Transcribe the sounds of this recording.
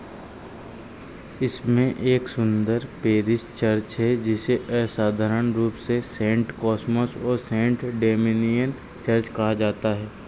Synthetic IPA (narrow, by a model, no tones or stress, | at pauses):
ɪsmẽʔeːksʊ̃nd̪əɾpeːɾɪst͡ʃɐɾt͡ʃɦɛd͡ʒɪseʔɛsaːd̪ʱaːɾənɾuːpsesẽːɳʈkɔːsməsɔːɾsẽːɳʈɖeːminijən | t͡ʃɐɾt͡ʃkɐɦad͡ʒaːt̪aɦɛː